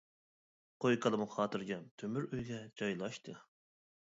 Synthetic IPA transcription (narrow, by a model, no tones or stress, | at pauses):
qʰojkʰəlˠɨmχɑːt̪ɨɾɡʲɛmt̪ʰømyɾøjɡʲɛd͡ʒɑjlˠɑʃt̪ʰɨ